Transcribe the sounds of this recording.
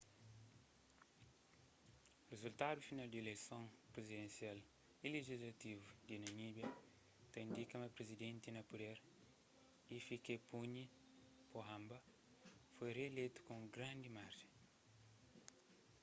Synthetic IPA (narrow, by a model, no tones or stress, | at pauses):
rezult̪ad̪ufinald̪elejsõpɾezid̪ẽnsial | ileʒizlɐt̪ivud̪inɐnibjɐ | t̪ɐĩnd̪ikɐmɐpɾezid̪ẽnt̪inɐpud̪ɛɾ | ifikepuɲi | poɦãmbɐ | fojreelejt̪u̥kõɡɾɐ̃nd̪imaɾʒẽ